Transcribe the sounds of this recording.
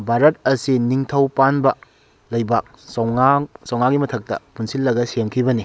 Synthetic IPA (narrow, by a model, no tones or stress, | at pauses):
bʱaɾɐt̚ɐsiniŋtʰɐwpanbɐ | lɐjbak̚ | sŋasɐwŋaɡimɐtʰɐk̚tɐ̰punsilːɐɡɐseŋkʰibɐni